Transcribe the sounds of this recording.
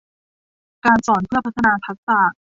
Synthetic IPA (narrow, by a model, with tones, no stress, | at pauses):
kaː˧nsɔː˨˩˦npʰɯ˥˩ɐpʰa˦˥t̪ʰːa˧naː˧p̪ʰa˦˥k̚saː˨˩